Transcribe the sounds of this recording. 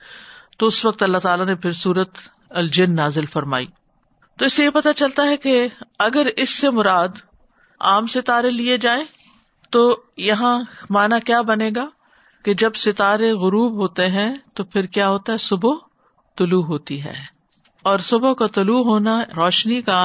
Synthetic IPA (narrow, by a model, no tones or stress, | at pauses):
t̪oʊsʋɐk̚t̪ɐlːaɦt̪aːlanepʰɪɾsuːɾət̪ | ɐld͡ʒɪnːaːzɪlfɐɾma̰ːḭː | t̪oɪsːejepɐt̪at͡ʃɐlt̪aɦɛkeɐɡəɾɪsːemʊɾaːd̪ | a̰ːmsɪt̪aːɾelied͡ʒaːẽː | t̪oːjɐɦãmaːnakjaːbɐneːɡaː | ked͡ʒɐbsɪt̪aːɾeɣʊɾuːbɦoːt̪eɦɛ̃t̪opʰɪɾkjaːɦoːt̪aɦɛsʊbo | t̪ʊluɦoːt̪iɦɛ̰ː | ɔːɾsʊbokat̪ʊluɦoːnaɾɔːʃnika